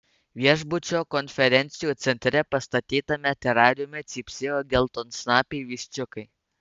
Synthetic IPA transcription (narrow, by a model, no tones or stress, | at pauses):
ʋʲiɛʒbʊt͡ʃʲoːkɔnʲfʲɛɾʲɛnʲt̪sʲɪjuːt̪sʲɛnʲt̪ʲɾʲɛpɐst̪ɐt̪ʲiːt̪ɐmʲɛt̪ʲɛɾɑːɾʲʊmʲɛt̪sʲiːpʲsʲeːjoːɡʲɛlˠt̪oːnsnɑːpʲeɪʋʲiːʃʲt͡ʃʲʊkɐɪ